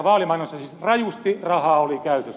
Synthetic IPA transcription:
ʋɑːlimɑinosːɑsisrɑjust̪irɑhɑːˑolikæyt̪øs

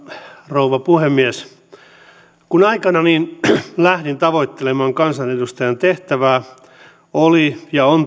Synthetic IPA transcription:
rouʋɑpuhemːies | kunɑikɑnɑniːnlæhdint̪ɑʋoit̪ːelemɑːŋkɑnsɑnedust̪ɑjɑnt̪eht̪æʋæː | olijɑon

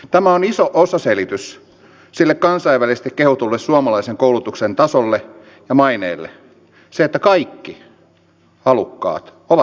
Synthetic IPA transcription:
t̪æmæonisoʔosɑselit̪ys | silːekkɑnsɑiʋʋælisest̪ikkehut̪ulːessuɑmɑlɑiseŋkoulut̪uksent̪ɑsolːe | jɑmɑinḛːlːḛ | seet̪ːækɑikːi | ɑlukːɑ̰ːt̪ | oʋɑ

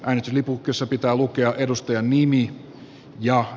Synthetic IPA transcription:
ʔæːnist̪yslipukːˑesːɑpit̪æːlukeɑʔedust̪ɑjɑnnimi | jɑ

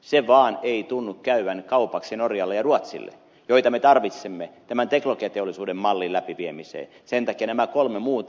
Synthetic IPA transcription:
seʋɑːneit̪unːukkæyʋænkɑupɑksienorjɑlːejɑruɑt̪sḭlːḛ | joit̪ɑmet̪ɑrʋit̪semːet̪æmænt̪eklokiɑt̪eolːˑisuːdemmɑlːilæpiʋiemisḛː | sent̪ɑkiɑnæmækolmemuːt̪

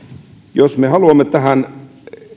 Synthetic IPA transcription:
josmehɑluɑmːet̪æhæn

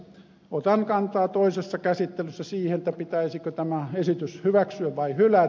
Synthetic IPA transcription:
ot̪ɑŋkɑnt̪ɑːt̪oˑisesːɑkæsit̪ːeløsːæsiːhenĕt̪ːæpit̪æisikøt̪æmæesit̪yshyʋæksyæʋʋɑihylæ

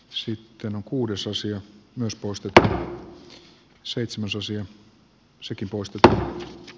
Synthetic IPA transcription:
sit̪ːenoŋkuːdesɑsiɑmyøspoist̪et̪u | seit̪semæsɑsiɑ | sekimpoist̪et̪u

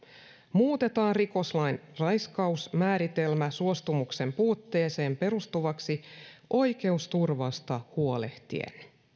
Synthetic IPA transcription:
muːt̪e̞t̪ɑːnriko̞slɑjnrɑjskɑusmæːɾit̪e̞lmæsuost̪umukse̞mpuːt̪ːe̞ːse̞ːmpe̞ɾust̪uʋɑksio̞jke̞ust̪urʋɑst̪ɑhuo̞le̞ht̪ḭḛn

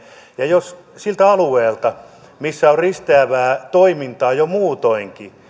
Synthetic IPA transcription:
jɑjos | silt̪æɑlueːlt̪ɑ | misːæorrist̪eæʋæːt̪oimint̪ɑːjomuːt̪oiŋki

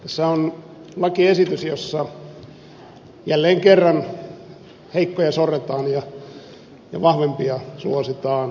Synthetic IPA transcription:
t̪æsːæon | lɑkiesit̪ysjosːɑ | jælːeːŋkerːɑn | heikːojɑsoret̪ɑːnjɑ | jɑ̰ʋɑhʋempiɑsuosit̪ɑːn

